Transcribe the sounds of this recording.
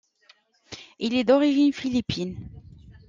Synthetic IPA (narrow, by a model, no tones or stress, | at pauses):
ilɛd̪ɔʁiʒinfilipʰin